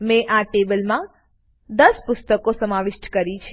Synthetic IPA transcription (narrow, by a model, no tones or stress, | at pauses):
mẽʔaʈebəlmã | d̪əspʊst̪əkosəmaʋɪʃʈkəɾit͡ʃʰ